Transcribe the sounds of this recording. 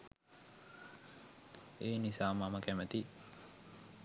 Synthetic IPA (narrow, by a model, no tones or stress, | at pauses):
eːnisaːmaməkæmət̪i